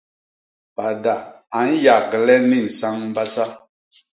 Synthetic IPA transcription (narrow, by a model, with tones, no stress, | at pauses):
pa˨da˨ | a˨˦n˦ja˨ɡə˨lɛ˦ni˦˨n̩˨sa˦ŋm̩˦ba˦sa˦